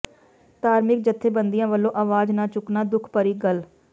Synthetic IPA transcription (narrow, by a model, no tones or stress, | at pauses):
t̪aːɾmɪk̚d͡ʒət̪ʰːeːbənd̪ijãːʋəlːõːʔaːʋaːd͡ʒnãːt͡ʃʊknaːd̪ʊkʰpəɾiːɡəl